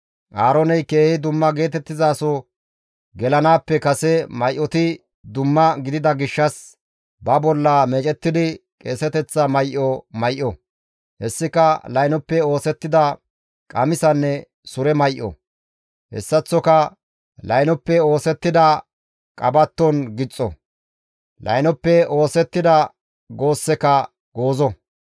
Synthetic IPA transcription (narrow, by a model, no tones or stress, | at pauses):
ʔaːɾɔnɛjkeːhɪd̪ʊmːɐɡe̞ːt̪ɛt̪ːɪzaːsɔ | ɡɛlɐnaːpːɛkɐsɛmɐjʔːɔt̪ɪ | d̪ʊmːɐɡɪd̪ɪd̪ɐɡɪʃːɐs | bɐbɔlːɐmeːt͡ʃʼɛt̪ːɪd̪ɪkʼeːsɛt̪ɛt͡sːɐmɐjʔɔmɐjʔɔ | hɛsːɪkɐlɐjnɔpːɛo̞ːsɛt̪ːɪd̪ɐ | kʼɐmɪsɐnːɛ | sʊɾɛmɐjʔɔ̰ | hɛ̰sːɐt͡sːɔkɐ | lɐjnɔpːɛo̞ːsɛt̪ːɪd̪ɐ | kʼɐbɐt̪ːɔnɡɪt͡sʼːɔ̰ | lɐ̰jnɔpːɛo̞ːsɛt̪ːɪd̪ɐ | ɡo̞ːsːɛkɐ | ɡo̞ːzɔ